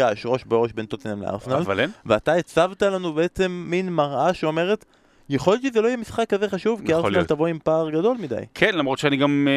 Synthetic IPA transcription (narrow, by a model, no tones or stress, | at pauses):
aeʃʁo̞ʃbeoʃbe̞nt̪ot̪enamlḛa̰ʁsnalvalveataet͡savtalanubeet͡se̞mːinmaʁʔaʃeo̞me̞ʁe̞t | jaχo̞lt͡ʃezelo̞ijemisχakːaze̞χaʃuvkiaʁsnalt̪avo̞impaːʁɡado̞lmida̰jkʰenlamʁot̪ʃeaniɡam